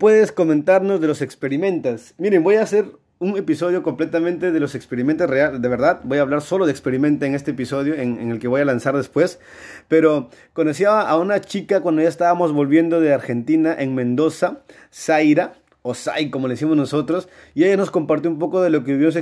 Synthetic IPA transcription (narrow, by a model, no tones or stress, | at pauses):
pwe̞ðe̞sko̞ment̪aɾno̞zðe̞lo̞sekspe̞ɾimẽ̞nt̪es | miɾe̞mbo̞jase̞ɾ | uŋe̞piso̞ðjo̞ko̞mple̞t̪amẽnt̪e̞ðe̞losekspe̞ɾime̞nt̪ereald̪e̞βe̞ɾðaðbo̞jaːβlaɾso̞loðekspe̞ɾimẽ̞nt̪oeŋe̞st̪eːpiso̞ð̞joeŋeŋe̞lkeβo̞jalansaɾðespwe̞s | pe̞ɾo̞ | kondos̬iaβaʔaunat͡ʃikakwand̪ojaest̪aβamo̞zβo̞lβje̞nd̪o̞ðeaɾxe̞nt̪inaʔe̞ŋmẽ̞nd̪o̞sa | sajɾa | osa̰jkomoleisimoznoso̞t̪ɾos | ieʝano̞sko̞mpaɾt̪joump̬o̞ko̞ðe̞lo̞k̬euβjeos̬e